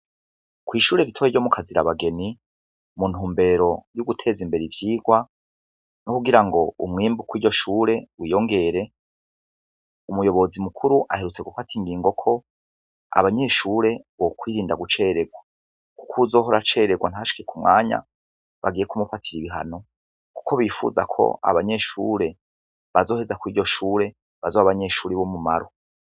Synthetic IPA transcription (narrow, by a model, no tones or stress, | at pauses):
kwiːʃuːɾe̞ɾitʰoeɾjɟo̞mukʰaziɾa̰βaɡe̞ni | mun̥huːmbe̞ːɾo̞juɡutʰeːzimbe̞ɾivjiːɡwa | nokuɡiɾaŋɡo̞umŋiːmbukwijo̞ʃuːɾe̞wijo̞ŋɡe̞ɾe̞ | umujo̞βo̞zimukʰuɾuʔahe̞ɾut͡se̞ɡufatʰiŋɡiːŋɡo̞kʰo̞ | a̰βaɲe̞ʃuːɾe̞βokwiːɾiːndaɡut͡ʃe̞ːɾe̞ɡwa | ku̥kʰuzo̞ːɦoɾat͡ʃe̞ːɾeɡwan̥aaʃi̥ke̞kumŋa̰ːɲa̰ | βaɡiːjekumufatʰiɾiβiɦa̰no̞ | ku̥kʰo̞βifṵzakʰo̞̰a̰βaɲe̞ʃṵːɾe̞ | βazo̞ːhezakwiːɟo̞ʃuːɾe̞ | βazoːβaβaɲe̞ʃuːɾeβomumaɾo